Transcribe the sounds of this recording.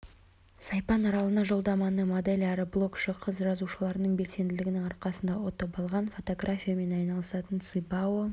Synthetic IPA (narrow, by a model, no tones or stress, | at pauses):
sɑjpɑnɑɾɑlˠənɑʒo̞lˠd̪ɑmɑnəmo̞d̪elʲæɾəblˠo̞kʃəqʰəzʒɑzuʃəlˠɑɾənəɴbe̞lse̞nd̪ɪlɪɡʲɪnɪŋɑɾqɑsənd̪ɑwot̪ɑpɑlˠʁɑnfo̞t̪o̞ɡrafʲijame̞nɑjnɑlˠəsɑt̪ənt̪sɨbawo